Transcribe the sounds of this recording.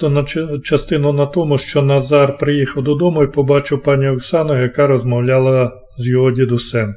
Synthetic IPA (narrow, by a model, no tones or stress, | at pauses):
nɐt͡ʃɐst̪ɪnʊnɐt̪ɔmʊʃt͡ʃɔnɐzɑrpɾɪjixɐwd̪ɔd̪ɔmʊipɔbɑt͡ʃɪwpɑnʲiɔksɑnɔjɐkɑɾɔzmɔwlʲɑlˠɐ | zjɔɦɔdʲid̪ʊsɛm